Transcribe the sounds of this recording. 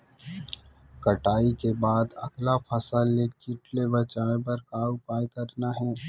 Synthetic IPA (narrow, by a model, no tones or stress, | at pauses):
kɐʈaːikebaːd̪ɐɡlapʰɐsalːekɪʈlebɐt͡ʃaːẽp̬ɐɾkaːʊpaːjkɐɾnaɦɛː